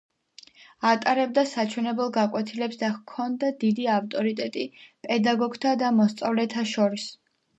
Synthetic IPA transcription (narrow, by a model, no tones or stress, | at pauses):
at̪ʼaɾɛb̚d̪asat͡ʃʰwɛnɛbɛlˠɡakʼwɛt̪ʰilɛpsd̪akʰɔnd̪ad̪id̪iaft̪ʼɔɾit̪ʼɛt̪ʼipʼɛd̪aɡɔɡt̪ʰad̪amɔst̪sʼavlɛt̪ʰaʃɔɾis